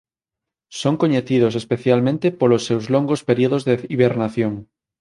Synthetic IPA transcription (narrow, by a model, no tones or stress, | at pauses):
soŋkoɲeθiðos̬espeθjalmẽnt̪epolosːewzloŋɡospeɾioðozðeiβeɾnaθjoŋ